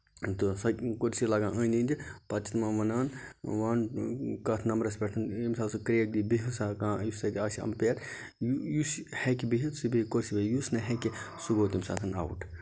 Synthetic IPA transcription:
t̪ɨsɐkoɾsilaɡãːəninʲd̪ipɐt͡ʃʰit̪mãːʋɐnaːnʋaːnkɐt̪ʰnɐmɾɐspʲeʈʰɐnimsaːlsɨkɾeːk̚d̪ibiɦisaːkãːjussɐd̪ʲiaːsiɐ̰mpeːɾ | jujushekibiɦit̪sɨbiikoɾsibɐjusnɐɦeki | suɡoːt̪imsa̰ːt̪ʰɐna̰wuʈʰ

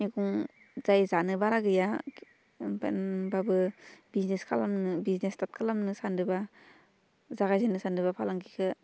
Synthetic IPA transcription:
niɡuŋ | zajzanɯbaɾaɡɯja | babɯbizneskʰalamnɯbiznestat̚kʰalamnɯsandɯba | zaɡajzanɯsandɯβapʰalaŋkʰikʰɯ

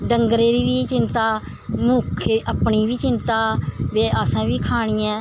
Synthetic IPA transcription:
ɖəŋɡəɾeːɾiːʋiːt͡ʃɪnt̪aː | muːkʰeːʔəpɳiːʋiːt͡ʃɪnt̪aːʋeːəsãːʋiːkʰaːɽ̃iːɛ̃ː

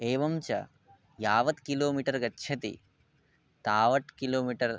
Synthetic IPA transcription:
eːʋɐmt͡ʃɐ̰ | jaːʋɐd̪kiloːmiʈɐɾɡɐtːʃʰɐt̪ḭ | t̪aːʋɐʈkiloːmiʈɐɾ

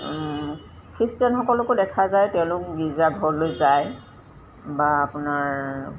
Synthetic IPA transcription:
kʰɹistijanxɔkɔlʊkʊdɛkʰazajtɛʊ̃lʊk̚bizaɡʱɔɹlojzaj | baːpʊnaɹ

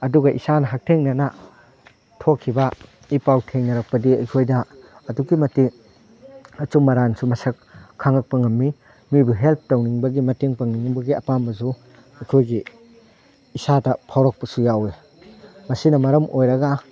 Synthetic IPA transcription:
ɐduɡɐʔisanɐɦak̚tʰeŋnɐna | tʰokʰːiba | ipawtʰeŋnɐɾɐk̚pɐdiɐjkʰojdɐːdukimɐti | ɐt͡ʃumːɐɾansumɐsɐkʰːaŋɐk̚pɐŋɐmːi | mibuɦelp̚ʰtowniŋbɐɡimɐteŋpɐŋniŋbɐɡiɐpambɐs̬u | ɐjkʰojɡi | isadɐpʰawɾok̚pɐsujawe | mɐsinɐmɐɾɐmʔojɾɐɡa

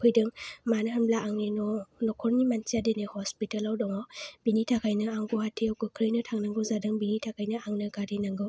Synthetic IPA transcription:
pʰɯjdɯŋmanɯɦanblaaŋninɔlɔkʰɔɾnimansiadenehɔspitalawdɔŋɔb̥initʰakʰajnɯaŋɡɔhatʰiawɡɯkʰɾɯjnɯtʰaŋnaŋɡɯzadɯŋbinitʰakʰajnɯaŋnɯɡadinaŋɡɯw

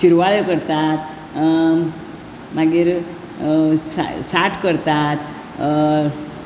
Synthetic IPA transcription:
ɕiɾʋaɭəkəɾt̪at̪ | maɡiːɾ | sa̰saʈʰkəɾt̪at̪

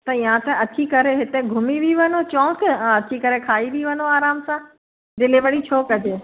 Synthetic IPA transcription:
t̪ɐijãt̪ɐɐt̪ʰikɐɾeɦɪt̪eɡʱʊmiʋiʋɐnot͡ɕɔ̃ːkɐt̪ʰikɐɾekʰaːiʋiʋɐnoaːɾaːmsã | d̪ɪliʋəɽit͡ɕʰoːkɐd͡ʑeː

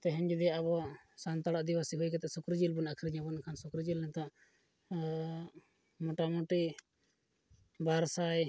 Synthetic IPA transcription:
t̪ɛɦɛɲd͡ʒud̪iaaβɔaʔsant̪aɽaʔd̪ibasiɦujkɛt̪ɛʔsɔkɾid͡ʒilbunakʰɾiɲãbunkʰansɔkɾid͡ʒilnɛt̪aʔ | mɔʈamɔʈi | baɾsaj

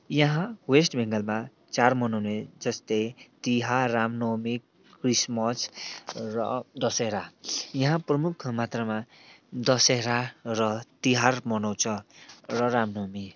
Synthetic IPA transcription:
jʌɦãwesʈbʱɛŋɡʌlma | t͡ʃaɾmʌnoned͡zʌst̪et̪iɦaɾamnomi | kɾismʌsɾʌ̰d̪ʌseɦɾajʌɦãpɾʌmukʰmat̪ɾamad̪ʌseɾaɾʌt̪iɦaɾmʌnʌwt͡sʰʌɾʌɾamnomi

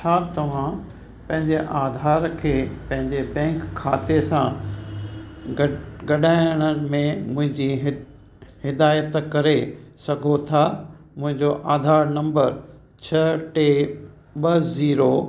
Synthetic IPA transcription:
t͡ɕʰaːt̪ɐʋ̤ã | pɐ̃ɦɪ̃ɲd͡ʑeʔaːd̪ʱaːɾkʰeːpɐ̃ɦɪ̃ɲd͡ʑebɛ̃ːŋkʰːaːt̪esã | ɡɐɗaːɪɽ̃əmẽmʊ̃ɦɪ̃ɲd͡ʑiɦ | hɪd̪aːjət̪kɐɾesɐɡʱot̪ʰa | mʊ̃ɦɪ̃ɲd͡ʑoʔaːd̪ʱaːɾnɐ̃mbəɾ | t͡ɕʰɐʈeː | ɓɐziːɾo

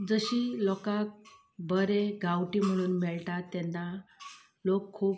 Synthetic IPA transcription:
d͡zəɕiːlɔkak̚ | bəɾeɡawʈim̤əɽ̃uːnmɛɭʈat̪ːɛnːa | lokʰːuːp

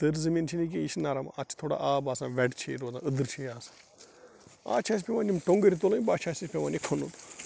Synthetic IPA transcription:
t̪ɨɾzəmint͡ʃʰinik̬eiʃʰnaːɾamɐt͡ʃʰt̪ʰoːɽa̰ʔaːbaːsãːʋɛɖt͡ʃʰeɾoːzã̰ːɨd̪ɨɾt͡ʃʰiaːsḁ̃ː | a̰ːt͡ʃʰaːs̬pʲeʋãːnʲimʈoŋɡəɾit̪oːlɐ̃baːt͡ʃʰaːsʲispʲeʋaːnikʰonun

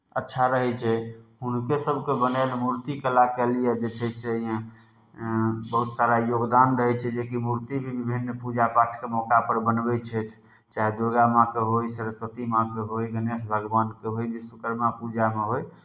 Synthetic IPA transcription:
ətːʃʰaɾəɦɛt͡ʃʰɛhunkesəbʱkebənanmuɾt̪ikelakɛlijɛd͡ʒet͡ʃʰɛjseəijã | bəɦut̪saɾajoɡd̪anɾəɦɛt͡ʃʰɛd͡ʒekimuɾt̪ibʱibibʱinːpud͡ʒapaʈʰkemɔkapəɾbənbɛt͡ʃʰɛt̪ʰ | t͡ʃaɦed̪uɾɡamãkeɦojsəɾəswət̪imãkeɦojɡənesbʱəɡbankeɦojbisəkəɾmapud͡ʒameɦoj

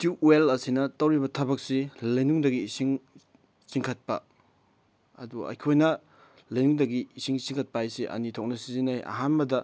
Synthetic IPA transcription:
tuelɐsinɐtɐwɾibɐtʰɐbɐk̚silɐjnuŋdɐɡiːsiŋ | t͡ʃiŋkʰɐt̚pɐ̰ | ɐ̰duɐ̰jkʰojnɐ | lɐjnuŋdɐɡiːsiŋt͡ʃiŋkʰɐt̚pajseʔɐ̰nitʰok̚nɐsizinajɐ̰ɦanbɐdɐ

